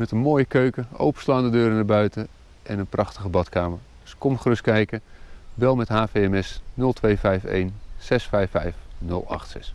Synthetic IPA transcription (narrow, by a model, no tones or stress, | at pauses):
mɛtənmoːjəkøɥkəo̰wpə̥slaːndədøːɾənaɹbœɥtə | ʔɛnənprɑχtəχəbɑtkaːməɹ | skɔmχrɵskɛjkəʋɛlˠmɛtɦaːfejɛmɛsnɵlˠtʋejvɛjfḛjnsɛsfɛjfɛjfnɵ̰lˠɑ̰χtsɛ̰s